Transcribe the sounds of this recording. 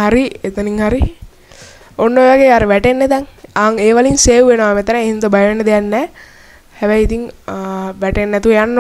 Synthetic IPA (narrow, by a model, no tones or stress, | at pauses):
ɦaɾiet̪əniŋhaɾi | onːoeʋaɡeːaɾəʋæʈenːet̪aŋaŋeːʋalinseːʋuʋenəʋamet̪ɐnaeɦind̪əbajʋenːəd̪ejanːɛː | hɛʋɛjit̪iŋ | ʋæʈenːɛt̪uʋjanː